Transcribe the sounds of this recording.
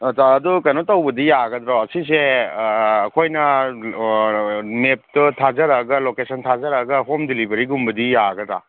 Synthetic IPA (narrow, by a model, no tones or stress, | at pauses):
taːdukanotawbɐdijaɡɐdɾaɐsis̬eː | kʰojnɐ | mep̚tɯtʰazɐɾaɡɐlokesʰɐntʰazɐɾaɡɐɦomdilibɐɾiɡumbɐdijaɡɐdɾa̰